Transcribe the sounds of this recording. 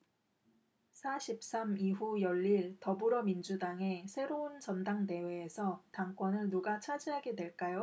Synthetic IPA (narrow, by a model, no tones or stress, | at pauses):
sʰaɕʰip̚s͈amiɦujʌʎːiɭtʌbɯɾʌmind͡ʑudaŋe̞sʰe̞ɾount͡ɕʌndaŋde̞we̞ːsʰʌtaŋk͈wʌnɯɭnuɡat͡ɕʰad͡ʑiɦaɡe̞dwe̞ɭk͈ajo